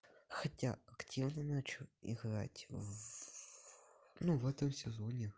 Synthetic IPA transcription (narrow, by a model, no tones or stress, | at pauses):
xɐtʲaɐktʲivnənat͡ɕʊɪ̰ɣra̰tʲ | nuvɛt̪əmsʲɪzonʲɪ